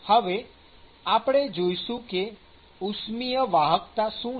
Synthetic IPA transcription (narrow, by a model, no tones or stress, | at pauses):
həʋe | apɽ̃ed͡ʒojʃũke | usmijəʋaɦək̚t̪aʃũ